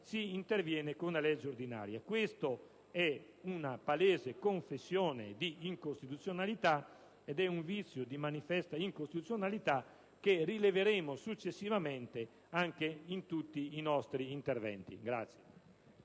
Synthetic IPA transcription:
siːnt̪eɾvjɛːnekonalɛd͡ʒːoɾd̪ina̰ːɾjakwest̪o | ɛ | unapalɛːzekoɱfesːjɔːnḛd̪iːŋkost̪it̪ut̪sːjonalit̪a | ɛd̪ɛuɱvit̪sːjud̪imanifɛst̪aiŋkost̪it̪ut̪sjonalit̪a | kːerileveɾeːmosut͡ʃːesːivamɛnt̪e | aŋkeint̪ut̪ːiːnɔst̪ɾiːnt̪eɾvɛ̰nt̪ḭɡɾa̰t̪sje

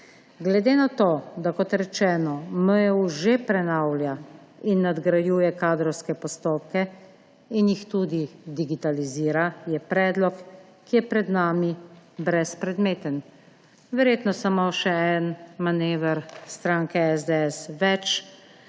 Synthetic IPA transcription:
ɡlɛd̪eːnat̪oːd̪akɔt̪ɾɛt͡ʃɛːnɔməjɛuʒepɾɛnawlʲja | inːad̪ɡɾajuːjɛkaːd̪ɾɔwskɛpɔst̪oːp̚kɛ | injixt̪ud̪id̪iɡit̪aliziːɾajɛpɾɛːd̪lɔkː | ijɛpɾɛd̪naːmibɾɛspɾɛd̪meːt̪ən | ʋɛɾjeːt̪nɔsamoʃɛɛnmaneːʋɛɾst̪ɾaːŋkɛɛzd̪eɛsʋɛt͡ʃ

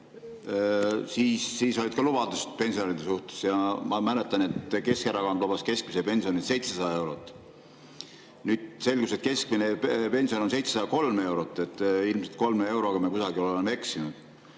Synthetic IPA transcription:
siːsːiːso̞lʲid̪̥̚kɑlubɑd̪̥ust̪̚pe̞nʲsiɑɾid̪̥esuht̪e̥sjɑmɑmælet̪ːˑɑnet̪ke̞skeɾɑkɑnd̪lub̥ɑske̞sk̚misepe̞nsionise̞jt̪sesɑd̪ɑe̞wɾot̪ːˑ | nyːd̪̥se̞lɡ̥uset̪̚ke̞skminepe̞nsio̞nonse̞jt̪sesɑd̪ɑko̞lme̞wɾot̪ːˑe̞t̪ːˑilmselt̪̚ko̞lmee̞wɾoɡ̥ɑmekusɑɡiololemːee̞ksinud̪̥

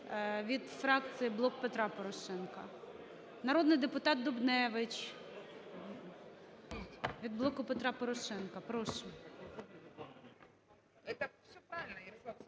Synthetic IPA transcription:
ʋʲid̪fɾɑk̚t͡ssɨjiblˠɔk̚pet̪ɾɑpɔɾɔʃɛnkɐ | nɐɾɔd̪nɪjd̪epʊt̪ɑt̪̚d̪ɔbnɛʋɪt͡ʃ | ʋʲid̪̚blˠɔkʊpet̪ɾɑpɔɾɔʃɛnkɐpɾɔʃm | t̪ɐsʲpɾaʋʲɪlʲnɐj

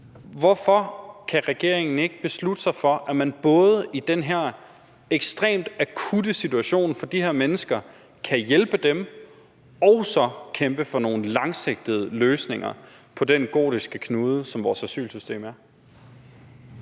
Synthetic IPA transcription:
ʋɒfɒ̽kʰæʁɛɡ̥e̝̰ɐeŋn̩e̝ɡ̥əb̥e̝slud̥əsɑ̈ɪfɒ̽ʔæmænb̥ɔ̽ːð̞ˠəʔid̥enɦeɐ̰ | eɡ̥sd̥ʁḛːmd̥ækʰud̥əsit͡suæɕo̝̰ːnfɒ̽d̥iɦeɐ̰menəsɡ̥ɐ | kʰæjelb̥əd̥em | ɒ̽ʊsɒ̽kʰemb̥əfɒ̽no̝ːn̩lɑ̈ŋse̝ɡ̥̚d̥ð̞̩ˠəløːsne̝ŋɐ̰ | pʰɒ̽denɡ̥o̝̰ːdisɡ̥əkʰnuːð̞ˠəsɒ̽mʋɒːsæsy̰ːlsysd̥e̝̰ːmæɐ

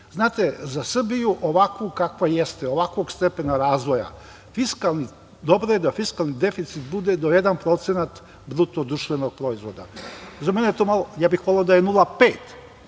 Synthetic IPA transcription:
znaːt̪ezasr̩bijuʔoʋakʋukakʋajest̪eo̞ʋakʋo̞ɡst̪e̞penaɾaːzʋo̞ja̰ | fiskalni | d̪o̞bɾojed̪afiskalˠnid̪e̞fit̪sit̪̚bud̪ed̪ojed̪anpɾo̞t̪senat̪ | bɾut̪od̪ɾuʃt̪ʋeno̞ɡ̚pɾo̞izʋo̞d̪azamenet̪oːmalojaːbixʋoleod̪ajenulˠapeːt̪

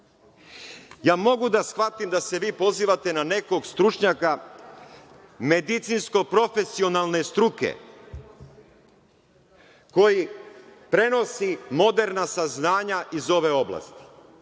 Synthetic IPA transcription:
jaːmo̞ɡud̪asxʋat̪imd̪ase̞ʋiːpo̞ziːʋat̪e̞nane̞ko̞ɡst̪ɾut͡ʃɲaka | me̞d̪it̪sinsko̞pɾo̞fe̞sio̞nalˠne̞st̪ɾukḛ | ko̞jipɾe̞no̞simo̞d̪e̞ɾnasaznaːɲaʔizo̞ʋe̞o̞bla̰st̪i̥

